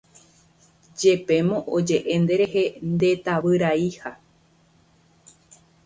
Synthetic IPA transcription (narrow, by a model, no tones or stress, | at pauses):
d͡ʒe̞pe̞mõʔod͡ʒe̞ʔẽ̞nd̪e̞ɾe̞ɦe̞nd̪e̞t̪aʋɨɾaiha